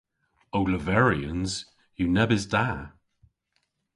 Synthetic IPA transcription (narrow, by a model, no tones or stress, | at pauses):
owləvɛɹiə̃nz̥ | junɛbɪzda